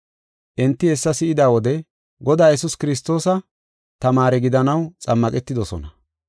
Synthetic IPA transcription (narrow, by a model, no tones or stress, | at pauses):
ʔɛnt̪ːɪhɛsːɐsɪʔɪd̪aːwɔd̪ɛ | ɡɔd̪aːjɛsʊskɪɾɪs̬t̪o̞ːsɐ | t̪ɐmaːɾɛɡɪd̪ɐnɐwt͡sʼɐmːɐkʼɛt̪ːɪd̪ɔsɔ̰nɐ